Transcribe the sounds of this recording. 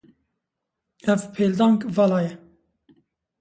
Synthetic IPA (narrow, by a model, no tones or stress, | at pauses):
ɛvpʰeld̪ɑŋkvalajɛ